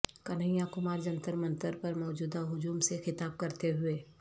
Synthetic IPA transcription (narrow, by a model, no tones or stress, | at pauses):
kɐnəɪjãkʊmaːɾd͡ʒɐ̃nt̪əɾmɐ̃nt̪əɾpɐɾmɔːd͡ʒuːd̪aɦʊd͡ʒuːmsexɪt̪aːb̚kɐɾt̪eɦʊeː